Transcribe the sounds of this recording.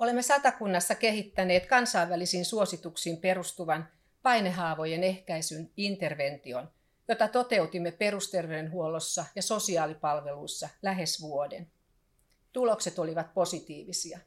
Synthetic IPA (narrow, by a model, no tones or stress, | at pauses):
olemːe̞sɑt̪ɑkunːɑsːɑke̞ɦit̪ːæne̞ːt̪kɑnsɑːʋːælisiːnsuo̞sit̪uksiːmpe̞ɾust̪uʋɑn | pɑjneɦɑːʋo̞jene̞hkæjsynint̪e̞rʋe̞nt̪io̞n | jo̞t̪ɑt̪o̞t̪e̞wt̪imːepe̞ɾust̪e̞rʋeenɦuolosːɑjɑso̞siɑːlipɑlʋe̞luisːɑlæɦe̞sʋuode̞n | t̪ulo̞kse̞t̪oliʋɑt̪̚po̞sit̪iːʋisiɑ